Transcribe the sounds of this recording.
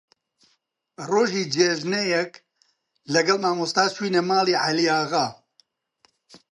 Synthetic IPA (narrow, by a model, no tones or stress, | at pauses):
roːʒiːd͡ʒeʒnejɛk | lɐɡɐlmaːmust̪aːt͡ʃwiːneːmaːliːʕalijaːɣaː